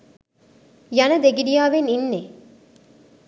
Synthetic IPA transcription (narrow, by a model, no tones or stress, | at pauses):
jɐnɐd̪eɡiɾijaːʋeninːe